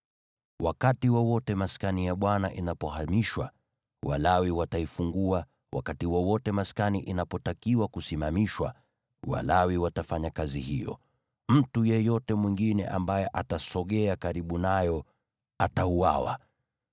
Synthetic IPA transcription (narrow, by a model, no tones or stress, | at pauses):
wakatiwawɔtɛmaskanijaɓwanaʔinapɔɦamiʃwa̰ | wa̰lawiwataifuŋɡua | wa̰katiwɔwɔtɛmaskaniʔinapɔtakiwakusimamiʃwa̰ | wa̰lawiwatafaɲakazḭhḭjɔ̰ | m̩tujɛjɔtɛmwiŋɡinɛ̰ʔambajɛʔatasɔɠɛakaɾiɓunajɔ | ataua̰wa̰